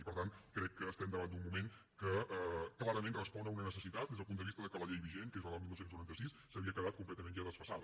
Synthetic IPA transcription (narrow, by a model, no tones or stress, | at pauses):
ipəɾt̪ankɾɛkːəːst̪ɛmd̪əβand̪ummumeŋ | kəklˠaɾəmẽnrəspɔnəunənəsəsit̪at̪̚d̪ezðəpund̪əβist̪əðəkələʎejβiʒenkezəðəlˠmilˠwsenzuɾant̪əsissəβiəkəðat̪̚kumplɛt̪əmẽnʒaðəsfəsað